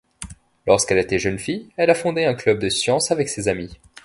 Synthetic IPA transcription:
lɔʁskɛlet̪eʒənfijɛlafɔ̃d̪eɛ̃klœb̚d̪əsjɑ̃savɛksezami

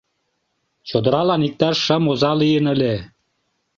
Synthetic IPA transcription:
t͡ɕod̪ɤ̆ɾɑlɑnik̚t̪ɑʃəmozɑlijə̆nə̆lʲe

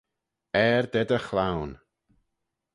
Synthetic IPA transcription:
ɛɹd̪ɛd̪əxlawn

